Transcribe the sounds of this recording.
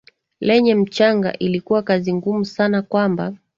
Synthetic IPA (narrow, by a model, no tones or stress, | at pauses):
lɛɲɛm̩t͡ʃaŋɡa̰ʔilikuwakaziŋɡumusanakwamba